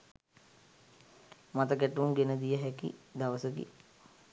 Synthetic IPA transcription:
mat̪əɡæʈuuŋɡenəd̪ijəɦɛkḭd̪aʋəsəkḭ

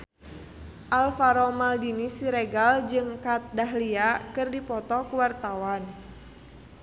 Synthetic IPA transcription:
ʔalfaɾɔmaldinisiɾeɡald͡ʒɨŋkat̪̚daɦliakɨrdipɔt̪ɔkuwart̪awan

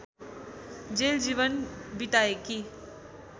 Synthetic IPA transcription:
d͡ʒeːld͡ʒiːʋənbiʈ̪aeki

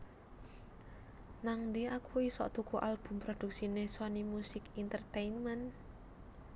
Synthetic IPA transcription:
naŋd̪iakuisɔ̰ʔt̪ukuʔalb̥ṳmpɾod̪̥ṳk̚sineswanimusɪkint̪ərt̪ejnmɛn

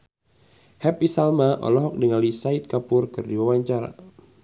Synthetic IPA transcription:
hɛpisalmaʔɔ̰lɔɦɔk̚diŋalisait̪̚kapʊrkɨrdiwawaɲt͡ʃaɾa̰

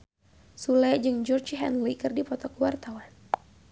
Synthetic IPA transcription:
sulɛd͡ʒɨŋd͡ʒɔrd͡ʒɦɛ̰nlikɨrdipɔt̪ɔkwart̪awan

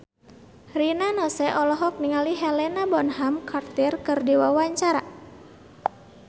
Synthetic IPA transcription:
rinanɔsɛʔɔlɔɦɔk̚niŋaliɦɛlɛnabɔnɦamkart̪ɪrkɨrdiwawaɲt͡ʃaɾa

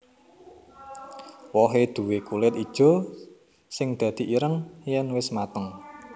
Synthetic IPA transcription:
wɔɦed̪̥ṳwekulɪt̪id̥ʒ̥o̤ | sɪŋd̪̥ä̤d̪̥i̤ʔiɾəŋjɛnwɪsmat̪əŋ

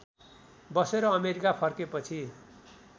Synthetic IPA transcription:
bʌseɾʌːmeɾikapʰʌrkepʌt͡sʰi

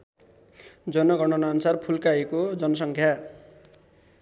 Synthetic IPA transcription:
d͡zʌnʌɡʌɽʌnʌːnsarpʰulkaekod͡zʌnʌs̬ʌŋkʰja

